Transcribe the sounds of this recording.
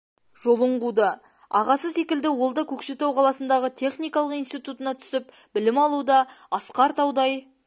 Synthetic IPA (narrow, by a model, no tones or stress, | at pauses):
ʒo̞lˠəɴʁud̪ə | ɑʁɑsəse̞kʲɪld̪ɪwo̞lˠd̪ɑkʲʰɵkʃet̪ewqʰɑlˠɑsənd̪ɑʁət̪ʲʰe̞χnijkɑlˠəqijnst̪ijt̪ut̪ənɑt̪ʰʏ̥sɪp̚ | bɪlɪmɑlˠud̪ɑɑsqɑɾt̪ɑwd̪ɑj